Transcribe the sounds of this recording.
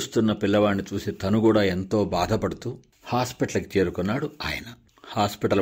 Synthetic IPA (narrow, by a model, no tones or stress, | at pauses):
ust̪unːɐpilːɐʋaːɳːit͡ʃuːsit̪ɐnukuːɽaːe̞nt̪o̞ːbaːd̪ʱɐpɐɽut̪uː | haːspiʈɐlɐki̥t͡ʃeːɾukunːaːɽua̰ːjɐnɐ | haːspiʈɐl